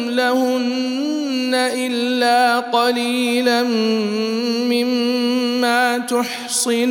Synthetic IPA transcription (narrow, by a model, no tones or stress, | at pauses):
lahʊnː | aʔɪlːaːqɑliːlan | mɪmː | aːt̪ʊħ | sɨn